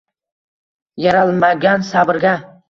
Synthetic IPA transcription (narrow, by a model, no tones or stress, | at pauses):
jaɾalˠmaɡʲansabɪɾɡʲa